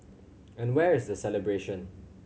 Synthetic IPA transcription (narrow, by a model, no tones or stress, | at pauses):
ɛ̃nwɛɹɪzd̪əsɛlɛbɹeʃɔ̃n